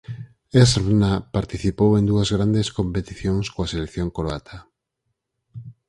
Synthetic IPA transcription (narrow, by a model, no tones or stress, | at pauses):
esrnapaɾt̪iθipowẽnd̪uɐzɣɾand̪eskompet̪iθjoŋskoaselekθjõŋkoɾoat̪ʰa